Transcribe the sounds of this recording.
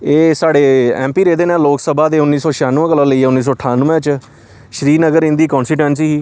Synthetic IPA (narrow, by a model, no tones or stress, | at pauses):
eːsaːɖeːɛ̰̃ːmpiːɾeːd̪eːnẽːloːksəbaːd̪eːʊnːiːsɔːʃjaːnuːɛ̃ːkəlãːləiːɛːʊnːiːs̬ɔːʈʰaːnuːɛ̃ːt͡ʃ | ʃəɾiːnəɡəɾɪ̃nd̪iːkɔːnsʈiːʈwɛ̃ːns̬iːɦiː